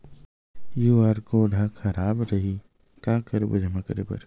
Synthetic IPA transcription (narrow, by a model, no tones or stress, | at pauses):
juːaːɾkoɖʱaːxʰɐɾaːbɾɐɦi | kaːkəɾbə̰d͡ʒʱmɐkəɾebɐ̰ɾ